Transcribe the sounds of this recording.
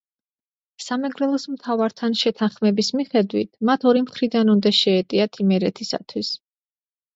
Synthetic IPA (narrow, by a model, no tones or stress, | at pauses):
samɛɡɾɛlˠɔsmt̪ʰavaɾt̪ʰanʃɛt̪ʰanχmɛbismiχɛd̪wḭt̪ʰmat̪ʰɔɾimχɾid̪anund̪aʃɛːt̪ʼiat̪ʰimɛɾɛt̪ʰisa̰t̪ʰwis